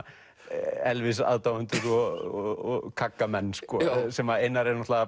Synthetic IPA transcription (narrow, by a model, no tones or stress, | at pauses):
ɛlvɪsa̰ːðt̪aːwʏnt̪ʏɾɔɔkʰakːamɛnːskɔsɛmaejnːaɾeɾnɔt̪laɣa